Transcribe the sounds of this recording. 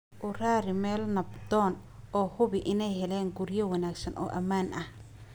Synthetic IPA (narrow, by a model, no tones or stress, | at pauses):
ʔʊraːɾɪmɛːlnɐbd̪ɔːn | ɔːhʊβɪʔɪnɛjhɛlɛːŋɡuɾjɐwɑnaːɡsɐnʔɔ̰ːʔɐmaːnʔɐh